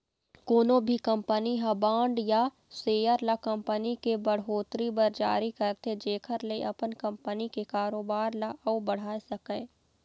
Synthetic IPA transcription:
koːnobʱikɐ̃mpəniɦɐbãːɳɖja | seːjəɾlakɐ̃mpənikebəɽɦoːt̪ɾibɐɾd͡ʒa̰ːɾikɐɾt̪ʰed͡ʒeːkʰəɾleʔɐpənkɐ̃mpənikekaːɾoːbaːɾlaʔɐʊbɐɽ̤aːesɐkẽː

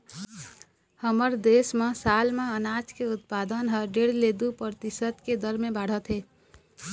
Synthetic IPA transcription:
həməɾd̪esmẽsalmeənad͡ʒkeut̪̚pad̪ənɦəɖeɽled̪upɾət̪isət̪ked̪əɾmẽbaɽ̤ət̪ɦe

